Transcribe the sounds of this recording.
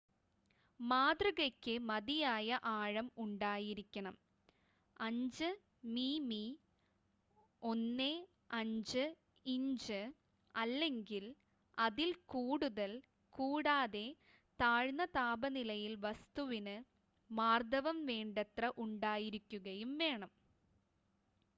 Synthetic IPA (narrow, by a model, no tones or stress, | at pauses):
maːd̪rɐɣɐkʲːɨmɐðijaːjɐʔaːɻɐmuɳɖaːjiɾikʲːɐɳɐm | ɐɲd͡ʑɨ | miːmi | o̞nːe | ɐɲd͡ʑɨ | iɲd͡ʑɨ | ɐlːe̞ŋɡil | ɐðilkuːɽuðɐl | kuːɽaːðe̞ | t̪aːɻnɐt̪aːbɐnilɐjilʋɐst̪uʋinɨ | maːrd̪ɐʋɐmʋeːɳɖɐt̪rɐʔuɳɖaːjiɾikʲːuɣɐjumʋe̞ːɳɐm